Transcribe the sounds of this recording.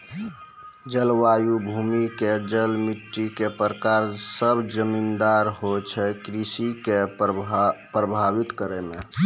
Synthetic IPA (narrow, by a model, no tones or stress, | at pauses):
d͡ʒəlʋajubʱumiked͡ʒəlmiʈːikepɾəkaɾsəbʱd͡ʒəmind̪aɾɦot͡ʃʰɛkɾisike | pɾəbʱaʋit̪kəɾɛmẽ